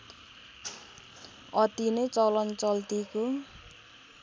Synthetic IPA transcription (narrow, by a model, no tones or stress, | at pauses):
ʌt̪inʌt͡sʌlʌnt͡sʌlt̪iko